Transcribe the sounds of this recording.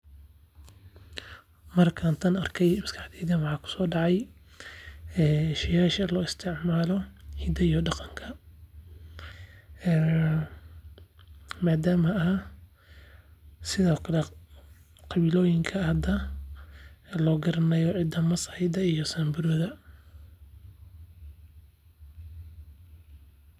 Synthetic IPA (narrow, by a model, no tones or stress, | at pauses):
mɐrkʰaːnt̪ʰɐnɐrkʰɛjmɐskʰɑħd̪ɛːðɐnwɑħɑːkʰʊ̥sɔːɖɑʕɑj | ɛːʃɪjaːʃɐlɔːɪst̪ʰɪʕmaːlɔhiːd̪ɐijɔɖɑqɑŋkʰɐ | maːd̪aːmɐaː | sɪðɔːkʰɐlɛ | qɑβilɔːjɪŋkʰɐhɐd̪ɐ | lɔːɡɐɾɐnɐjɔʕɪd̪ɐmɐsɐɪd̪ɐijɔsɐmbʊɾɔðɐ